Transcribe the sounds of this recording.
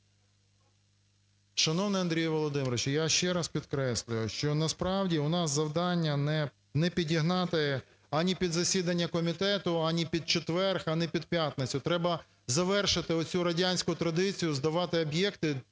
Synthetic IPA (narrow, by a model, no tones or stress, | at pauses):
ʃɐnɔwnɪɐnd̪ʲɾʲijʋɔlˠɔd̪ɪmɾɔt͡ʃjaʃt͡ʃɛɾɐspʲid̪kɾɛsʲlʲʊjʊʃt͡ʃɔnɐspɾɑwdʲiʊnɑszɐwd̪ɑnʲːɐnɛ | nɛpʲidʲiɦnɑt̪ɪ | ɐnʲipʲid̪zɐsʲid̪ɐnʲːɐkɔmʲit̪ɛt̪ʊanʲipʲid̪̚t͡ʃet̪ʋɛrxɐnɛpʲid̪̚pʲjat̪nɪt͡sʲʊt̪ɾɛbɐ | zɐʋɛrʃɪt̪ɪɔt͡sʲuɾɐdʲanʲsʲkʊt̪ɾɐd̪ɪt͡sʲijʊzd̪ɐʋɑt̪ɪɔbjɛkt̪ɪ